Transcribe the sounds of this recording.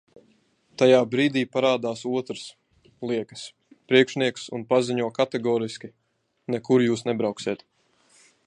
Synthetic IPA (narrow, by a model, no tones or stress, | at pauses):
t̪ajaːbɾiːd̪iːpaɾaːd̪aːsuɔt̪ɾəs | lˠiɛkə̥s | pɾiɛkʃniɛksunpaziɲuɔkat̪ɛɡɔːɾiskʲi | nɛkuɾjuːsnɛbɾawksiɛt̪